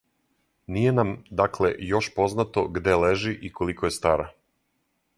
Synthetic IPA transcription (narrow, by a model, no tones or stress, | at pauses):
nije̞namd̪aklḛjo̞ʃpo̞znat̪o̞ɡd̪e̞leʒiʔiko̞likoje̞st̪aːɾa